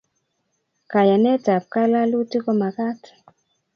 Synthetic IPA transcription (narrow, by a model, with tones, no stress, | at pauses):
ka˨ja˨nɛ˦ta˨p̚ka˦la˦lu˦ti˦kɔ˦ma˨ka˦t